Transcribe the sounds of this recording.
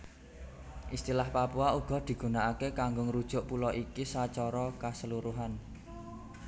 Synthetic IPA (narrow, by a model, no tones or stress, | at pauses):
ʔist̪ilahpapuauɡ̥ɔ̤d̪̥i̤ɡ̥ṳnaʔakekaŋɡʊŋɾud̥ʒ̥ʊ̤ʔpulɔʔikisat͡ʃɔɾɔkasəluɾuɦan